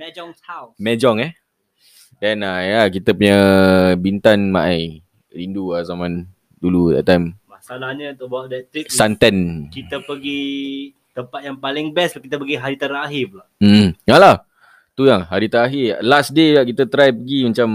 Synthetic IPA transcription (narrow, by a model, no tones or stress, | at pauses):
mɛd͡ʒɔŋshawmɛd͡ʒɔŋɛ | dɛnajak̬it̪əpuɲəbint̪anmaʔaj | ɾinduasaman | duludɛ̰ʔt̪ːajmmasalahɲəunt̪ʊʔ̚bawaʔdɛt̪ɾiksant̪ankit̪əpəɡi | t̪əmpat̪̚jaŋpalɪŋbɛskit̪əpəɡiɦaɾit̪aɾaɦifla | m̩jalah | t̪ujaŋɦaɾit̪aɾaɦɪlasdeakit̪ət̪ɾajpəɡimat͡ʃam